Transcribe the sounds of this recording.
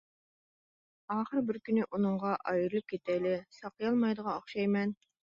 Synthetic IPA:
ɑːχəɾbɪɾkʲynɪʔunɨɴʁɑʔɑjɨɾɨlˠɨp̚kʲʰet̪ʰɛjlɪsɑqəjɑlˠmɑjd̪əʁɑoχʃɑjmɛn

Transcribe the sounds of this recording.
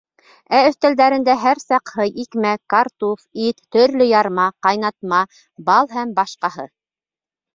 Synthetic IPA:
æɵ̆θt̪æld̪æɾɘ̆nd̪æɦæɾsɑqhɤjikmækɑɾt̪ufit̪ːɵ̆ɾlɵjɑɾmɑqɑjnɑt̪mɑ | bɑlˠhæmbɑʃqɑɦɤ̰

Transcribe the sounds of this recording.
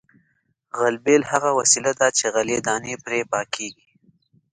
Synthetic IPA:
ɣalbelhaɣawasilad̪at͡ʃeɣaled̪ɑːnepɾepɑkʰeɡi

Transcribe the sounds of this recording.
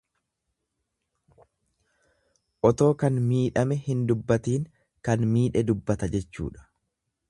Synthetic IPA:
ʔɔt̪o̞ːkɐnmiːᶑɐmɛhɪnd̪ʊbːɐt̪iːŋ | kɐnmiːᶑɛd̪ʊbːɐt̪ɐd͡ʒɛt͡ʃːṵːᶑɐ̥

